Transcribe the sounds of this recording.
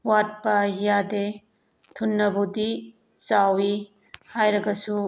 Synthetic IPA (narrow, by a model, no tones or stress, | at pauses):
wat̚pɐjade | tʰunːɐbudi | t͡ʃawi | hajɾɐɡɐsu